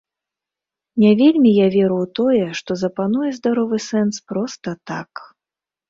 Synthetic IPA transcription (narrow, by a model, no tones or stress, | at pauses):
nʲavʲelʲmʲijavʲɛɾuwt̪ɔjɛʂt̪ɔzɐpanujɛzd̪aɾɔvɨsɛnspɾɔst̪ɐt̪ak